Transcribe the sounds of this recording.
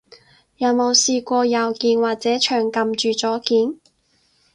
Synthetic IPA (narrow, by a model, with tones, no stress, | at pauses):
jɐ˨˧wmo˨˧wsiː˧kʷɔː˧jɐ˨wkiː˨˧nwaː˨k̚t͡sɛː˨˥t͡ʃʰœː˨ŋkɐ˨mt͡ʃyː˨t͡sɔː˨˥kiː˨˩n